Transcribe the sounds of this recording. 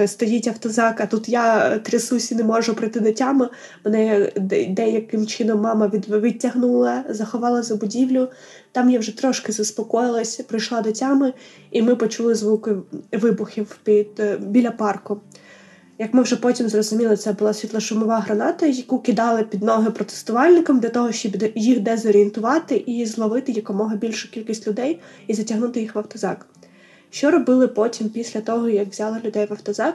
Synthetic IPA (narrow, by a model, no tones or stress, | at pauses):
st̪ɔjitʲɐwt̪ɔzɑkɐt̪ut̪jat̪ɾʲɪsusʲinemɔʒʊpɾɪt̪ɪd̪ɪtʲːamɪ | menɛd̪ɛjɐkɪmt͡ʃɪnɔmːɑmɐʋʲiʋɪtʲːɐɦnulˠɐzɐxɔʋɑlˠɐzɐbʊdʲiwlʲʊ | t̪ɑmjawʒɛt̪ɾɔʃkɪzɐspɔkɔjɪlˠɐsʲɐpɾɪjʃlˠɑd̪ɪtʲːamɪ | imɪpɔt͡ʃulˠɪzʋukɪʋɪbʊxʲiwpʲid̪̥bʲilʲɐpɑrkʊ | jɐkmɪwʒɛpɔtʲimzrɔzʊmʲilˠɪt̪sɛbʊlˠɑsʲit̪lˠɐʃʊmɔʋɑɦɾɐnɑt̪ɐjɐkukʲɪd̪ɑlˠɪpʲid̪nɔɦɪpɾɔt̪e̥st̪ʊʋɑlʲnɪkɐmd̪lʲɐt̪ɔɦɔʃt͡ʃɔb̪jixd̪ɛzɔɾʲient̪ʊʋɑt̪ɪʔizlˠɔʋɪt̪ɪjɐkɔmɔɦɐbʲilʲʃʊkʲilʲkʲisʲtʲlʲʊd̪ɛjizɐtʲɐɦnut̪ɪjixʋɐwt̪ɔzɑk | ʃt͡ʃɔɾɔbɪlˠɪpɔtʲimpʲisʲlʲɐt̪ɔɦɔjɐkʋzʲɑlˠɐlʲʊd̪ɛjʋɐwt̪ɔzɑk